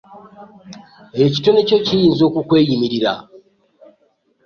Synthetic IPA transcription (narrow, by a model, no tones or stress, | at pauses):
eci̥to̞necocijiːnzo̞ːkukwe̞ːjimiɾiɾa̰